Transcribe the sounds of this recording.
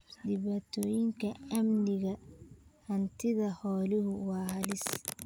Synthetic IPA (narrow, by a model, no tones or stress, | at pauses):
dɪβɐt̪ʰɔːjɪŋkʰɐɐmnɪɣɐhɐnt̪ʰɪðɐhɔːlɪɦʊwɑːhɐlɪs